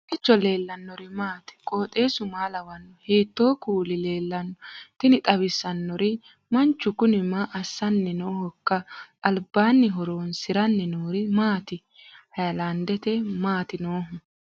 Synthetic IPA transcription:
ʔɪt͡ʃːɔle̞ːlːɐnːɔɾɪmaːt̪ɪ̥kʼo̞ːt̪ʼe̞ːsʊmaːlɐwɐnːɔheːt̪ːo̞ːkuːlɪleːlːɐnːɔt̪ɪnɪt̪ʼɐβɪsːɐnːɔɾɪ | mɐnt͡ʃːʊkʊnɪmaʔːsːɐnːɛnoːhɔkːɐʔɐlbːaːnːɪɦɔɾoːnsɪɾɐnːɛnoːɾɪmaːt̪ɪ | hɐjɐlɐnd̪ɛt̪ɛmaːt̪ɪnoːɦʊ

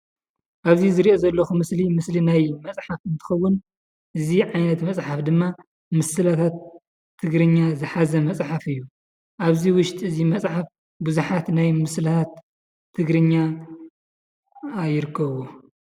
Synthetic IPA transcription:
ʔaβzizɨɾiʔo̞zɐlːɐxumɨslimɨslinajmɐt͡sʼħafɨnt̪ʰɨ̥xɐwːʊn | ʔɨziʕajnɐt̪mɐt͡sʼħafd̪ɨmːa | mɨsɨlat̪ʰat̪ʰː | ɨɡɾɨɲːazɨħazɐmɐt͡sʼħafɨjːu | ʔaβziwʊʃt̪ʼɨzimɐt͡sʼħaf | buzuħat̪najmɨsɨlat̪ʰat̪ʰː | ɨɡɾɨɲːa | jːɪɾɨkʰːɐβo

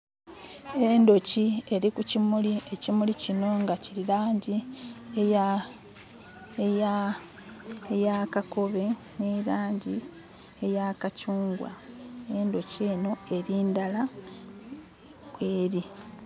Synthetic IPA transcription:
e̞ndo̞cie̞ɾikucimulie̞cimulicino̞ŋɡaciɾiɾaːɲɟieja | eja | ejakako̞βe̞ | neɾaːɲɟi | ejakacuːŋɡwa̰ | endo̞ce̞ːno̞e̞ɾiːndala | weːɾi

